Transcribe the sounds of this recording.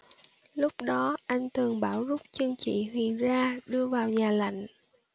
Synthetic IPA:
lʊ˦˥k͡p̚ɗɔ˨˦ʔa˧jŋ̟t̪ʰɨ˨˩əŋɓaː˧˩wzʊ˦˥k͡p̚t͡ɕɨ˧əŋt͡ɕḭ˧˨ɦwḭ˨˩ənzaː˧ɗɨ˧əvaː˨˩wɲaː˨˩la̰˧˨jŋ̟

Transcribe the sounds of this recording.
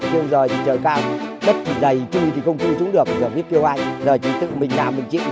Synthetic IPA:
ke˧ə˧wzo˨˩jt̪ʰi˨˩t͡ɕəː˨˩jkaː˧wɓə˦˥t̚kʰi˨˩zə˨˩jt͡ɕu˧t̪ʰi˨˩xə˧wŋ͡mt̪i˧sʊ˨˦ŋ͡mɗɨ˨˩ək̚a˨˩zəː˨˩vi˦˥əp̚ki˧wʔa˧jŋzəː˨˩jt͡ɕḭ˧˩t̪ɨ̰˧˨mï˨˩ŋnaː˨˩wmï˨˩ŋ̟t͡ɕḭ˧˨

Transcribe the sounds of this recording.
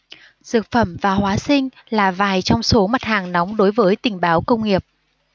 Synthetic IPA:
zɨ˨˩k̚fə˧˩mvaː˨˩hwaː˨˦sï˧ŋ̟ | laː˨˩vaː˨˩jt͡ɕɔ˧wŋ͡mso˨˦ma˨˩t̚haː˨˩ŋnɔ˨˦wŋ͡mɗo˨˦jvəː˨˦jt̪ï˨˩ŋ̟ɓaː˨˦wkə˧wŋ͡mŋi˨˩əp̚

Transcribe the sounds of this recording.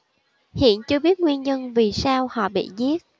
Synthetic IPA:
hḭ˧˨ənt͡ɕɨ˧əɓi˦˥ət̚ŋwi˧ənɲə˧nvi˨˩saː˧whɔ̰˧˨ɓḭ˧˨zi˦˥ət̚

